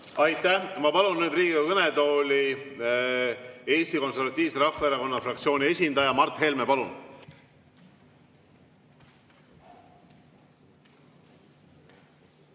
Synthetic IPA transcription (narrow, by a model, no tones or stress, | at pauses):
ɑjt̪ːˑæmɑpɑlunːyːd̪riːɡiɡɑkɤnet̪o̞ːlʲi | e̞ːst̪iko̞nseɾvɑt̪ʲːˑiːvseɾɑfeɾɑko̞nːɑfrɑkt̪sio̞ːnie̞sʲind̪ɑjɑmɑrt̪ˑɦe̞lmepɑlun